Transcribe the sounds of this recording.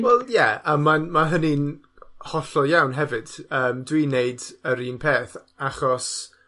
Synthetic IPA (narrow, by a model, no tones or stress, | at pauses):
wɛlˠjɛəmːamaɦənin | hɔɬɔjawnɦɛvɨd̥əːmdwineɨdəɾiːnpʰeːθ | aχɔs